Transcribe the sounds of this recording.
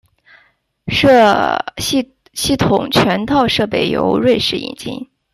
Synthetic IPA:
ʂ | ɕi˥˩t̪ʰʊ˨˩ŋt͡ɕʰɥɛ˧˥nt̪ʰɑ˥˧ʊʂɤ˥˩pe˨˩ɪjo̰˧˥ʊɻwe˥˧ɪʂɻ̩˥˩ḭ˨˩nt͡ɕḭ˥n

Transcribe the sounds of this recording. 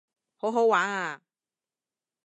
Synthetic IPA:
ho˨˥wɦo˨˥waː˨˥ŋa˧˨

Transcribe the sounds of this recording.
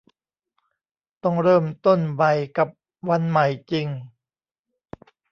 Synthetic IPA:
t̪ɔ˥˩ŋɾɤː˥˩mt̪o˥˩nba˧jka˨˩p̚ | wa˧nma˨˩jt͡ɕi˧ŋ

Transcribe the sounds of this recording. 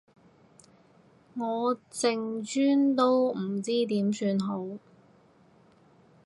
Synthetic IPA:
ŋɔː˨˧t͡sɪ˨ŋt͡ʃyː˥nt̪o˥wm̩˨˩t͡siː˥t̪iː˨˥msyː˧nɦo˨˥w

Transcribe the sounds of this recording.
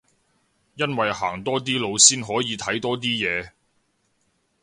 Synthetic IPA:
jɐ˥nwɐ˨jha̰ː˨˩ŋt̪ɔː˥t̪̬iː˥lo˨˧wsiː˥nɦɔː˨˥jiː˨˧t̪ʰɐ˨˥jt̪ɔː˥t̪̬iː˥jɛː˨˧

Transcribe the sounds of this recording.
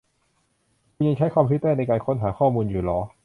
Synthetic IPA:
kʰu˧nja˧ŋt͡ɕʰa˦˥jkʰwaː˧mpʰi˦˥t̪ːɛː˥˩na˧jkaː˧nkʰo˦˥nɦaː˩˦xʰɔː˥˩muː˧njuː˨˩lɔː˨˥

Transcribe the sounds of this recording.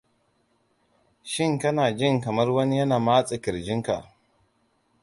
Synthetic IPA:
ʃɪ˦ŋkɐ˦naː˨d͡ʒɪ˦ŋkɐ˨mɐ˦rwɐ˦ni˦jɐ˦naː˨maː˦t͡sʼɪ˨kɪ˨ɾd͡ʒɪ˦ŋka˨ʔ

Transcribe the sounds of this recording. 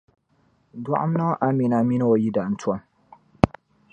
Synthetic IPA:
dwa̰˦ʔʊ̰˦m˦na˦ʔa˦mi˨na˨mi˦n˦o˨ji˦da˨ʔn̩˨tʰwɔ˨˦n

